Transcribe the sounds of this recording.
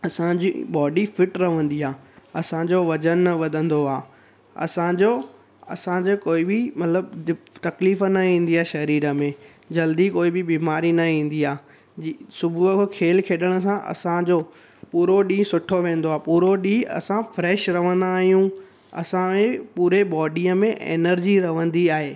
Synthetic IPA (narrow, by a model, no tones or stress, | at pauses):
ɐsãd͡ʑḭɓɔːɖifɪʈɾɐʋ̤ə̃nd̪iaːɐsãd͡ʑoʋɐd͡ʑənʋɐd̪ʱə̃nd̪oaː | ɐ̰sãd͡ʑoː | ɐ̰sãd͡ʑokoːɪbɪmɐt̪ləbt̪ɐkliːfənɐĩːn̆d̪iaːʃɐɾiːɾə̆mẽ | d͡ʑɐld̪ikoːɪbɪbiːmaːɾinɐĩːn̆d̪iaː | sʊbʱuəkkʰeːlkʰeːɗəɽ̃ə̆s̬ãʔɐ̰sãd͡ʑoː | puːɾoɗĩːsʊʈʰoʋẽːn̆d̪oaːpuːɾoɗĩɐ̰sãfɾɛːʃɾɐʋə̃nd̪aːɦijũ | ɐ̰sãʋẽpuːɾebɔːɖiəmẽʔḛːnəɾd͡ʑiɾɐʋə̃nd̪iaːɦeː